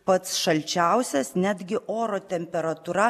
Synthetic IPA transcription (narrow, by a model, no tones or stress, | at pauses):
pɐt̪sʃɐlʲt͡ʃʲæˑʊsʲɛsnʲæd̪ʲɡʲɪʔoːɾoːt̪ʲɛmʲpʲɛɾɐt̪uɾɐ